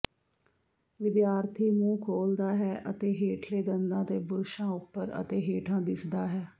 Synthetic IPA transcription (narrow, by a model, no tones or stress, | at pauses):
ʋɪd̪jaːɾt̪ʰiːmũːkʰoːld̪aːɦɛːʔət̪eːɦeːʈʰleːd̪ənd̪ãːt̪eːbʊɾʃãːʊpːəɾə̰t̪eːɦeːʈʰãːd̪ɪsd̪aːɦɛː